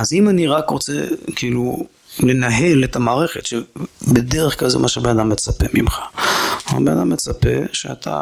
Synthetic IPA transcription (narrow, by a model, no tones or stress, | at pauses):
azimaniʁakʁot͡sḛkilu | le̞naɦe̞letamaːʁe̞χe̞tʃebedeʁeχklalzemaʃebenadamːet͡sape̞mimχḁ̰ | benadamːet͡sape̞̰ʃeatʰa̰